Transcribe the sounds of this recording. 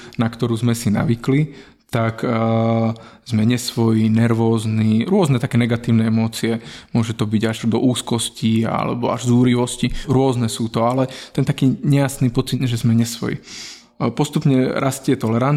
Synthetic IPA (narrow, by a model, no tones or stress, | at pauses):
nakt̪ɔɾuːzmɛsina̰ʋikli | t̪ak | zmɛɲɛsʋɔjinɛɾʋɔːzniɾʊɔznɛt̪akɛːnɛɡat̪iːʊnɛɛmɔːt͡siɛmʊɔʒɛt̪ɔbiɟaʒd̪ɔ̰ʔuːskɔscia̰lɛ̰bɔa̰ʒzuːɾiʋɔsciɾʊɔznɛsuːt̪ɔalɛt̪ɛnt̪akiːɲɛjasniːpɔt͡sid̪ʒɛzmɛɲɛsʋɔ̰jḭ | pɔst̪upɲɛɾʔascɪɛt̪ɔlɛɾan